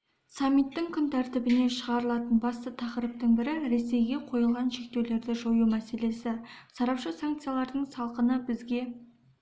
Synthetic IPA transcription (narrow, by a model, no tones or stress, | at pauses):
samːit̪ːɪŋkʲʰʏnt̪ʰæɾt̪ɪbɪne̞ʃəʁɑɾəlˠɑt̪ənbɑst̪ət̪ʰɑqɾəp̚t̪əɴbɪɾɪɾe̞se̞jɡʲe̞qʰo̞jəlˠʁɑnʃe̞k̚t̪e̞wle̞ɾd̪ɪʒo̞jumæse̞le̞sɪsɑɾɑpʃəsaŋkt̪sɨjalˠɑɾd̪əɴsɑlˠqənəbɪzɡʲe̞